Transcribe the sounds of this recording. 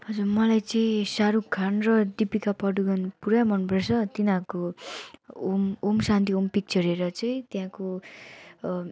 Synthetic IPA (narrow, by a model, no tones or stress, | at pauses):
ɦʌd͡zurmʌlajt͡sʌĩsaɾukʰːanrʌd̪ipikapʌɖuɡʌnpuɾamʌnpresʰʌt̪inako | omomsant̪iompik̚t͡sʌɾeɾʌt͡sʌĩt̪jãko